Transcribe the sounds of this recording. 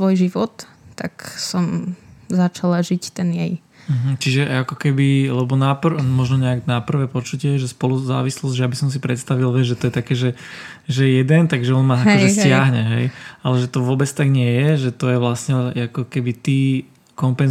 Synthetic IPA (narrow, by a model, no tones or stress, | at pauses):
sʋɔjʒiʋɔt̪ː | a̰ksɔmzat͡ʃalaʒict̪ɛnjɛj | m̩ɦm̩t͡ʃiʒɛʔakɔkɛbilɛbɔnapr̩mɔʒnɔɲɛaɡnapr̩ʋɛpɔt͡ʃucɪɛʒɛspɔluza̰ːʋislɔzɟʒɛabisɔms̬ipɾɛt̪st̪aʋilʋɛʒɛt̪ɔjɛt̪akɛːʒɛ | ʒɛɛjɛd̪ɛnt̪aɡʒɛɔnmaakɔʒɛsɪaɦɲɛɦɛ̰jalɛʒɛt̪ɔʋʊɔbɛt͡st̪aɡɲɪɛjɛʒɛt̪ɔjɛʋlasɲɛakɔkɛbit̪iː | kɔmpɛn